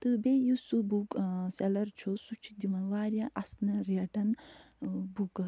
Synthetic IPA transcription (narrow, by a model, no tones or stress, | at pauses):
t̪ɨbeːjusubukselɐɾt͡ʃʰosut͡ʃʰi̥d̪iʋɐnʋaːɾjaʔɐsnɐɾiɐʈɐn | bukɐ